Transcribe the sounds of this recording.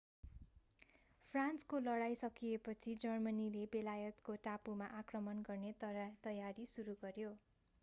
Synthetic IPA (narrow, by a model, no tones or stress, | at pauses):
pʰranskolʌɽajsʌkiepʌt͡sʰid͡zʌrmʌnilebelajʌt̪koʈapumaʔakrʌmʌnɡʌrnet̪ʌt̪ʌjaɾisuɾuɡʌrjo